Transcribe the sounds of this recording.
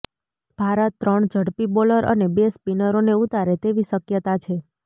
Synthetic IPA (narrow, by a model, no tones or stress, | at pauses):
b̥ʱaɾət̪ːɾəɳd͡ʒʱəɽpiboləɾʔə̰nebespinəɾoneut̪aɾet̪eʋiʃəkjət̪at͡ʃʰe